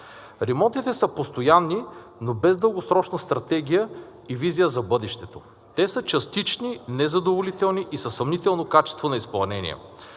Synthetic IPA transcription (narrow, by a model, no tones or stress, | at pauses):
ɾɛmɔnt̪it̪ɛsəpost̪ojanːi | nobɛzd̪ɤlˠɡosɾɔt͡ʃnɐst̪ɾɐt̪ɛɡ̟ijə | ivizijəzɐbɤd̪ɛʃt̪ɛt̪o | t̪ɛsət͡ʃɐst̪it͡ʃninɛzɐd̪ovolit̪ɛlˠniʔisəsɐmnit̪ɛlˠnokat͡ʃɛ̥st̪vonɐisplˠɐnɛnḭɛ̰